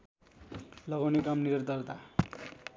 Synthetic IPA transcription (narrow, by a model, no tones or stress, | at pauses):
lʌɡawnekamnird̪ʌrt̪a